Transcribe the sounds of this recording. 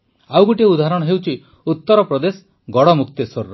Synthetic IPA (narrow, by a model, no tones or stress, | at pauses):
awɡuʈieud̪ʱaɦaɾɔɽ̃ɔɦewt͡ʃʰi | ut̪ːɔɾɔpɾɔd̪esɔ̥ | ɡɔɽɔmuk̚t̪esoɾːɔ